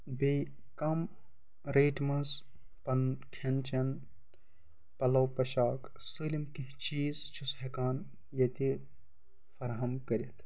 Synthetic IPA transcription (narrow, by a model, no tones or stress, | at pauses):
be | kɐm | ɾeːʈmɐz | pɐnkʰent͡ʃɐn | pɐlɐwpɐʃaːk | sɨlimkit͡ʃiːzt͡ʃʰusɦekaːn | jɐt̪i | fɐɾɦɐmkɐɾit̪ʰ